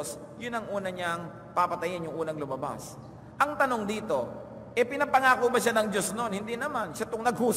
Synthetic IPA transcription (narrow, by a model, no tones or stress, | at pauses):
s | jʊnɐŋʔuːnɐɲaŋ | papɐt̪ɐjɪnjʊŋʔuːnɐŋlʊmɐba̰s | ʔɐŋt̪ɐno̞ŋd̪iːt̪o̞ | ʔɛpɪnɐpɐŋaːkobɐʃanɐŋd͡ʒo̞sno̞nhɪnd̪inɐmanʃat̪ʊŋnɐɡ̚huːs